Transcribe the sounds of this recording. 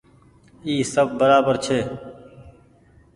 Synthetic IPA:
iːsəbbəɾaːbəɾt͡ʃʰeː

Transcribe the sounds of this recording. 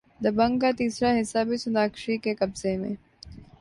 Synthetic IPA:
d̪ɐbə̃ŋɡkat̪iːsɾaɦɪsːabʱisʊnaːkʃikekɐbzemḛ̃ː

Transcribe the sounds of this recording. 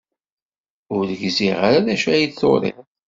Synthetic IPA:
ʊɾðəʝziʁaɾaðæʃæjid̪θo̰ɾˤḛ

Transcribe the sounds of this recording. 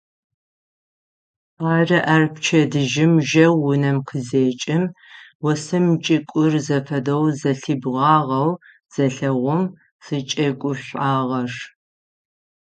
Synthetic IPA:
ɑːrɐʔɐrpʰt͡ʃʰɐdɨʒɪmʒɐwːʊnɐmqʰəzeːt͡ʃʼɪmwɔsɨmt͡ʃʼɪkʷʼʊrzɐfɐdɐwzɐɬɨbʁɑːʁɐw | z̥ɐɬɐʁʷʊm | z̥ɨt͡ʃʼɐkʷʼʊɕʷʼaːʁɐr

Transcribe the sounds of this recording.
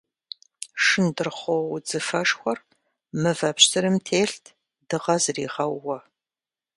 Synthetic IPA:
ʂɨndɨrχʷowd͡zɨfɐʂxʷɔr | mɨvɐpɕsʰɨɾɨmtʰeːɬtʰ | d̥ɨʁɐzriːʁɐwːɔ

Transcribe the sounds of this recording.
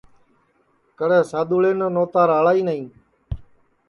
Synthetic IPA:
kəɽɛːsaːd̪uːɭeːnoːnoːt̪aːɾaːɭaːiːnəĩː

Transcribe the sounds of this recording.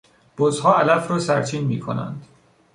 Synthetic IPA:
b̥ozhɒːælæfɾɒːsæɾt͡ʃʰiːnmiːkʰo̰næ̰nd̪̥

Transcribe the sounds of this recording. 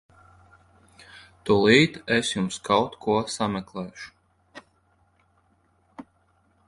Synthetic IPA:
t̪ulˠiːt̪esjumskʰawt̪kʰuɔsamɛklˠɛːʃu̥

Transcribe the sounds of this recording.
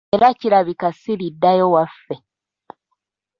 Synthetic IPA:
ɾaciɾaβikasilidːajo̞wafːe

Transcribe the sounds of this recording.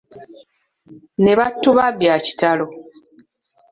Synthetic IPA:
ne̞βatːuβaβjaci̥talo

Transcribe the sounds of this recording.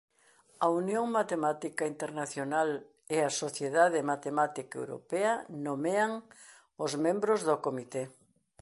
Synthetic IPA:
ɐunjoŋmat̪emat̪ikaint̪eɾnaθjonal | easoθjeðaðemat̪emat̪ikaḛwɾo̰peɐnomeaŋ | ozmẽmbɾozðokomit̪e

